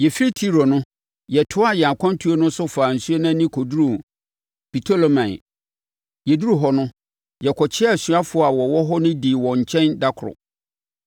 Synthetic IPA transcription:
jɛ˨fi˦ɾi˦tʰi˦ɾo˨nʊ̃˦ | jɛ˨tʰʊ˦a˦˨jɛ˨a˨kʷʰã˦n˦tʰu˦o˦nʊ̃˦sʊ˦faː˨n̩˨su˦e˦nã˦nĩ˦kʰɔ˨du˦ɾũ˨ | b̥i˨tʰo˦lo˦mã˨ | jɛ˨du˦ɾu˦ɦɔ˦nʊ̃˦ | jɛ˨kʰɔ˨t͡ɕʰɪ˦a˦˨ɕɥa˦fʊ˦a˨wɔ˨wɔ˦ɦɔ˦nʊ̃˦di˨wɔ̃˨ɲ̩˨t͡ɕʰɛ̃˦nda˦kʰʊ˨ʊ̰˨

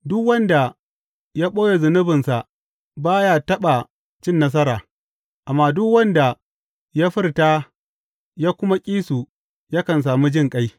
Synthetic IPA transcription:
dʊ˦kwɐ˦nda˨ | jaː˦ɓoː˦ja˨zʊ˨nɪ˦bɪ˨nsa˨ʔ | baː˦ja˦tɐ˦ɓa˨ | t͡ʃɪ˦nːɐ˦s̬ɐ˦ɾaː˨ | ʔa˨mːaː˦dʊ˦kwɐ˦nda˨ | jaː˦ɸɪ˦rta˦ | jaː˦kʷʊ˦ma˦kʲʼiː˦su˨ | ja˦kɐ˨ns̬aː˨mu˦d͡ʒɪ˦ŋkʼa˦j

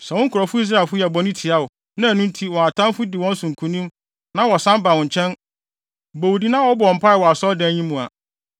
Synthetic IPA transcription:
sɛ˨wʊ̃˦ŋ̩˦kʰʊ˨ɾɔ˨fʊ˦i˦s̬ɾa˦˨lfʊ˦jɛ˨bɔ˨nĩ˦tʰi˨a˦ʊ˨ | nã˦æ˨nũ˦n˦tʰi˦wɔ̃˨a˨tʰã˦m˦fʊ˦dɪ˨wɔ̃˦n̩˦sʊ̃˨ŋ̩˨kʰũ˨nĩ˦m | nã˦wɔ˨sã˦mba˨wʊ̃˨ɲ˨t͡ɕʰɛ̃˦n | bo˨wdi˦nã˦wɔ˦bɔ˨ɔ˨m̩˨pʰa˦ɪ˨wɔ˨a˨sɔ˦dɛ̃˦ɲĩ˦mũ˨a̰˨

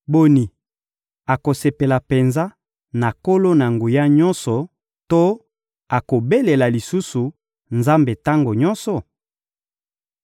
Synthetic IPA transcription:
bo˨ni˨ | a˨ko˨se˨pe˨la˨pe˨nza˦ | na˨ko˦lo˦na˨ŋɡu˨ja˦ɲɔ˦nsɔ˨ | to˦ | a˨ko˨be˦le˨la˨li˨su˦su˨ | nza˦mbe˨ta˦ŋɡo˨ɲɔ˦nsɔ˨

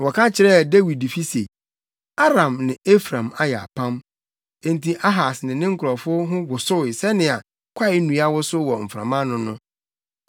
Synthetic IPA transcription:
wɔ˨kʰa˦t͡ɕʰɪ˨ɾɛ˦˨de˦wi˨dfi˦se˨ | a˦ɾã˨mnɪ̃˨e˦fɾã˨ma˦jɛ˨a̰˨pʰã˦m | ẽ˦n˦tʰi˦ʔa˦ɦa˨snɪ̃˨nɪ̃˦ŋ̩˦kʰʊ˨ɾɔ˨fʊ˦ɦʊ̃˦wʊ˨sʊ˦˨ɪ˨sɛ˦nɪ̃˨a˨ | kʷʰa˦ɪ˦nũ˨˦a˦wʊ˦sʊ˦wɔ˨m̩˨fɾã̰˨mã˦nʊ̃˦nʊ̃˦

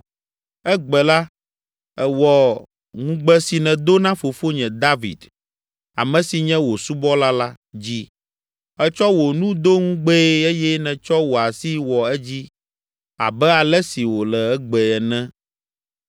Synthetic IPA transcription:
ɛ˦ɡ͡bɛ˨la˦ | ɛ˨wɔ˨ | ŋũ˦ɡ͡bɛ˦si˨nɛ̃˨d̪o˦nã˦fo˨fo˦ɲɛ̃˨d̪a˦vḭ˨d̪ | a̰˨mɛ̃˨si˨ɲɛ̃˦wo˨su˦bɔ˦la˦la˦ | d͡ʑi˦ | ɛ˦t͡ʃɔ˦wo˨nũ˦d̪o˦ŋũ˦ɡ͡bɛ˦e˦jɛ˦nɛ̃˨t͡ʃɔ˦wo˨a˨si˦wɔ˨ɛ˦d͡ʑi˦ | a̰˨bɛ˦a˨lɛ˦si˨wo˨lɛ˨ɛ˦ɡ͡bɛ˨ɛ˨nɛ̃˦

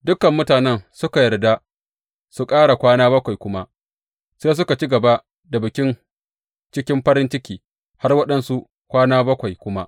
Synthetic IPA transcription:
dʊ˦kɐ˨mːʊ˦taː˨nɛ˦nsʊ˦ka˨jɐ˨rda˦ | su˨kʼaː˦ɽa˨kʷaː˦naː˦bɐ˦kʷa˨jkʷʊ˦ma˦ | seː˦s̬ʊ˦ka˨t͡ʃi˦ɡɐ˨ba˦ | da˨bɪ˨kʲɪ˦n | t͡ʃɪ˦kʲɪ˦mɸɐ˦ɾɪ˦nt͡ʃɪ˦kʲiː˨ | ha˦rwɐ˦ɗɐ˨nsu˦ʔ | kʷaː˦naː˦bɐ˦kʷa˨jkʷʊ˦ma˦ʔ

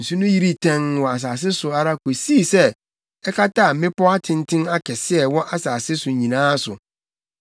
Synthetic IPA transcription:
n̩˨su˦nʊ̃˦ji˦ɾi˦tʰɛ̃˦ŋwɔ˨a˨s̬aː˨s̬ɪ˦sʊ˨a˨ɾa˦ko˨si˦˨sɛ˦ | ɛ˦kʰa˦ta˦˨m̩˦mɪ̃˦pɔ˦a˦tʰɪ̃˦n˦tʰɪ̃˦na˦kʰɛ˨sɪ˦ɛ˨wɔ̃˦ʔa˨saː˨sɪ˦sʊ˨ɲĩ˨nãː˦sʊ˨

